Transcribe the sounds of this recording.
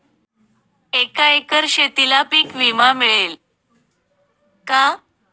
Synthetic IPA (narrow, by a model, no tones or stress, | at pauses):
ekaekəɾɕet̪ilapiːkʋimamiɭel | ka